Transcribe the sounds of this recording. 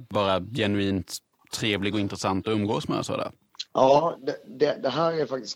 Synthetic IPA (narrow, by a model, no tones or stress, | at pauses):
bɑːɾajɛnɵiːnt̪ʰː | ɾeːvlɪɡɔɪnt̪ɾɛsant̪ɔɵmːɡoːsmɛ̰ːɾasɔ̰ːd̪æ̰ːɾ | jɑːd̪ɛd̪ɛd̪ɛɦæːɾæɾfak̚t̪ɪ̥s